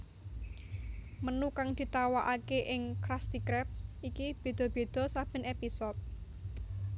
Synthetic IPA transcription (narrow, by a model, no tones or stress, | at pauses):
mənukaŋd̪̥i̤t̪awaʔakeʔɪŋkɾast̪ikɾɛp̚ʔikib̥e̤d̪̥ɔ̤b̥e̤d̪̥ɔ̤sab̥ə̤nepisɔt̪̚